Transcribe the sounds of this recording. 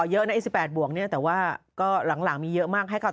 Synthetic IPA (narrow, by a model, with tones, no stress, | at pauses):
jɤ˦˥ʔna˦˥ʔiː˧˥˩si˨˩pːɛː˨˩t̪̚bu˨˩ək̚ni˥˩t̪ɛː˨˩waː˥˩kɔː˥˩la˨˩˦ŋlaː˩˦ŋmiː˧jɤ˦˥ʔmaː˥˩k̚ha˥˩jkʰa˥˩